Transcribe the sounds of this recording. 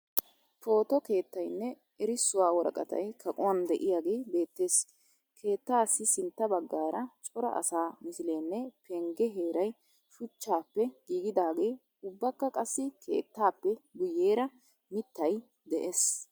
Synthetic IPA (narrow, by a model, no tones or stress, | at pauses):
po̞ːt̪ɔke̞ːt̪ːɐjnːɛ | ɛɾɪsːʊwaːwɔɾɐ̰kʼɐ̰t̪ɐ̰jkʰɐkʼʊwɐnd̪ɛʔɪjaːɡeːbe̞ːt̪ːe̞ːs | kʰe̞ːt̪ːaːsːɪsɪnt̪ːɐbɐɡːaːɾɐt͡ʃʼɔɾɐ̰ʔɐ̰saːmɪsɪleːnːɛpʰɛŋɡɛɦe̞ːɾɐj | ʃʊt͡ʃːaːpːɛɡ̥iːɡɪd̪aːɡe̞ː | ʊbːɐkːɐkʼɐsːɪkʰe̞̰ːt̪ːaːpːɛɡʊjːeːɾɐ | mɪt̪ːɐj | d̪ɛʔeːs